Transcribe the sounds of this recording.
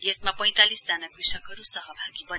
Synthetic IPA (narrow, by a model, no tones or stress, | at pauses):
esmapʌj̃t̪alisd͡zanakrisʌkʌɾusʌɦʌbʱaɡibʌn